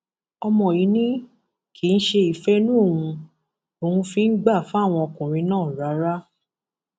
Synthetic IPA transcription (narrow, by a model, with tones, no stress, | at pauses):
ɔ˧mɔ̃˨ji˨˦nĩ˦ | ki˨˧n̩˦ʃe˧i˨fɛ˦nũ˦o˦˨wũ˧ | o˨ũ˧fi˧n̩˦ɡ͡ba˦˨fũ˨˦a˦˨w̃ɔ̃˧ɔ˧kũ˨ɾ̃ĩ˧nãː˦˨ɾa˨˦ɾa˦